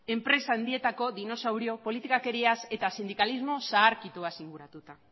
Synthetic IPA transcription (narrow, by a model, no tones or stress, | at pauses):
e̞mpɾe̞saːnd̪ie̞t̪ako̞ðino̞sawɾio̞po̞lit̪ikake̞ɾiase̞t̪asind̪ikalizmo̞saːɾkit̪uasiŋɡuɾat̪ut̪a